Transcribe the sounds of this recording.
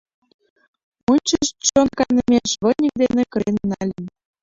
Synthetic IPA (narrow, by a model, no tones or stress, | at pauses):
munʲt͡ɕəʃt͡ɕonkɑnə̆mʲeʃβɤ̆nʲik̚d̪enʲĕkɤ̆ɾenːɑlʲenʲ